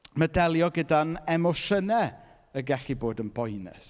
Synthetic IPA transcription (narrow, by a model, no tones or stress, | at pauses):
mədɛlˠjɔɡədanɛmɔʃənɛ | əɡɛɬiboːdənbɔjnɛ̰s